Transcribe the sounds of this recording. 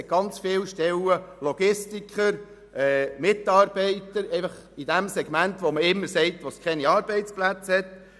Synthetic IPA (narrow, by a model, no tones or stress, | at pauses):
ɛt̚ɡ̥ɑnt͡sfɪːwʃtɛləlɔɡ̥ɪstikχəɾ | ɛːmɪt̪ɑːɾb̥ɛɪtəɾɛɪfɑχ | id̥æmsɛɡ̥mæntʋoməɪmːəɾsɛɪtʋoskʰɛniɑːɾb̥ɛɪt͡splæt͡shɛt̪